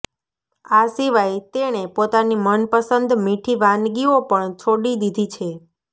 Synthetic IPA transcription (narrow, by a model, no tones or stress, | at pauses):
asiʋajt̪eɽ̃epot̪animənpəsənd̪miʈʰiʋãnɡiopəɳt͡ʃʰoɽid̪id̪ʱit͡ʃʰe